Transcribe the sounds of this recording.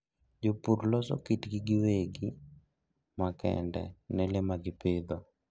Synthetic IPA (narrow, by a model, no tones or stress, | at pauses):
d͡ʒopuɾlɔsɔ̰kitɡiɡɪweɡi | makɛ̰ndɛ̰nɛlemaɡɪped̪o